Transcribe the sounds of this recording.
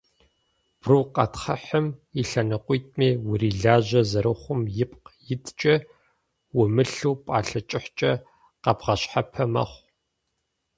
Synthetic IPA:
b̥ruːqɐtχɐ̰ħəmiɬɐnɐqʷijtʼmeːwʊɾiːɮaːʑɐzɐɾɨχʷʊmjɪp̚qjɪtʰt͡ʃʼɐ | wʊmɨɬuwpʼaːɬɐt͡ʃʼɪħt͡ʃʼɐ | qɐbʁɐɕħapʰɐmɐ̰χʷ

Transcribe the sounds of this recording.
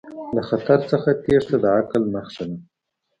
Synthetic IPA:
laxat̪aɾt͡səxat̪eʐt̪ad̪əʕaklməxʃana

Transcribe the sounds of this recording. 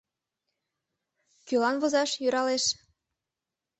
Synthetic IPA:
kylɑnβozɑʃjyɾɑleʃ

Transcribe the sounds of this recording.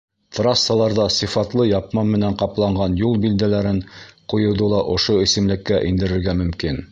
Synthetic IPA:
t̪rɑsːɑlˠɑɾðɑsĭfɑt̪lˠɤjɑp̚mɑmːɘ̆næɴqɑplˠɑɴɢɑnjulˠbild̪ælæɾɘɴqujŏwðolˠɑʔŏʃoɘ̆sɘ̆mlɘ̆kːæʔind̪ɘ̆ɾɘ̆ɾɡæmɵ̆mkin

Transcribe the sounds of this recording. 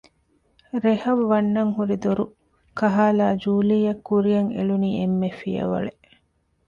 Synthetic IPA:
ɾehɐʋːɐnːɐŋɦuɾid̪oɾu | kɐɦaːlaːd͡ʒuːlijɐkːuɾijɐŋḛluniːemːefijɐ̰ʋɐ̰ɭe

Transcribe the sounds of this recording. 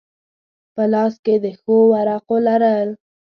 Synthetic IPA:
pəlɑsked̪əxowaɾɑqolaɾəl

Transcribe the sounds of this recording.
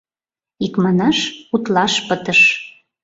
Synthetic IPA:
ikmɑnɑʃut̪lɑʃpət̪əʃ

